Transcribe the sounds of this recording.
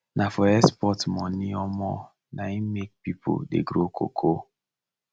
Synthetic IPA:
nʔafɔɛspɔtmɔniɔmɔ̰ | naimek̚pipʰo̰dḛɡɾokʰo̰kʰo

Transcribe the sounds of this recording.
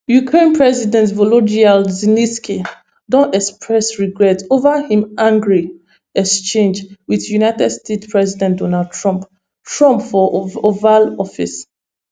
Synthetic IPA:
jukʰɹẽnpɹɛzidɛ̃ntvolod͡ʒialziniski | dɔ̃ntɛkspɹɛsɹiɡɹɛtovahĩmʔãŋɡɹi | ɛkst͡ʃẽnd͡ʒwiðjunajtɛdstetspɹɛzidɛ̃ndɔnald̚tʰɹɔ̃mp | tɹɔ̃mpfɔovalɔfḭs

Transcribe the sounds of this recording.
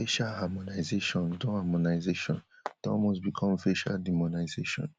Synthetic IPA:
feʃalhamonaɪzeʃɔ̃ndõhamonaɪzeʃɔ̰̃ntɔ̰lmosbikʰɔ̃mfeʃa̰ldimonaɪzeʃɔ̰̃n

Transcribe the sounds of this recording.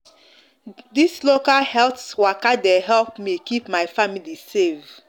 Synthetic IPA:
dislokalhɛltswakadeɦɛlpmikipmaɪfamilisev

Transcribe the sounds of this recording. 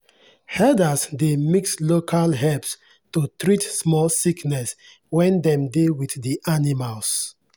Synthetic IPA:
hɛdasdemikslokʰalɦɛps | totɾitsmɔlsiknɛs | wɛ̃ndɛ̃mdewiθdiʔanimals

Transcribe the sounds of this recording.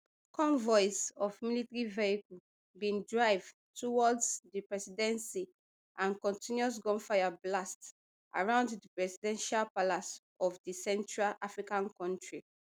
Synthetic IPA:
kɔ̃nvɔjsɔfmilitɹiveikul | bĩndɹaɪv | tuwɔdsdipɹɛsidɛ̃nsi | ãnkɔ̃ntĩnjuɔs̬ɡɔ̃nfajablast | ʔa̰ɹãʊ̃nddipɹɛsidɛ̃nʃalpalas | ɔfdisɛ̃ntɹalafɹikãnkɔ̃ntɹi

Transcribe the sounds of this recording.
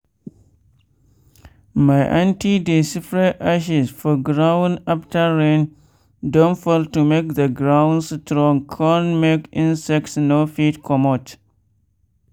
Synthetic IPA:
majʔãntidesifɹeʔaʃisfɔɡɾãw̃naptaɹẽn | dɔ̃nfeltumek̚ðəɡɹãw̃nstɾɔ̃ŋkʰɔ̃nmekĩnsɛk̚tsnofitkʰɔmɔt

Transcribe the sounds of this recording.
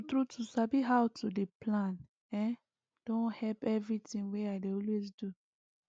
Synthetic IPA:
tɾutʰusabiɦawtʰudeplãn | ɛ̃n | d̥õnhɛpɛvɹitĩŋweaɪdeɔlwezdu

